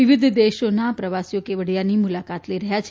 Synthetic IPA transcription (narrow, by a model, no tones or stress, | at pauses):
iʋid̪ʱd̪eʃonapɾəʋasjokeʋəɽijanimulakat̪ləiɾəɦjat͡ʃʰ